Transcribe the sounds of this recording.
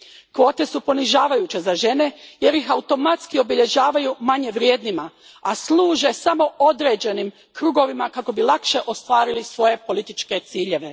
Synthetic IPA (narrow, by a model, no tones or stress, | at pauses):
kʋo̞ːt̪e̞supo̞niʒaːʋajut͡ɕe̞zaʒe̞ne̞je̞ɾjixaut̪o̞mat̪skio̞biʎe̞ʒaːʋajumaɲe̞ʋɾjeːd̪nima | aslˠuːʒe̞samo̞o̞d̪ɾe̞ːd͡ʑe̞nim | kɾuːɡo̞ʋimakako̞bilˠakʃe̞ʔo̞st̪ʋaːɾilisʋo̞je̞po̞lit̪it͡ʃke̞t̪siːʎe̞ʋe̞